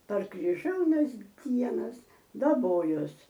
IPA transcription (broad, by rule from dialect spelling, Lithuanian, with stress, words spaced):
pɐr krʲɪˈʒʲɛʊnɐs ˈdʲiɛnɐs dɐˈboːjoːs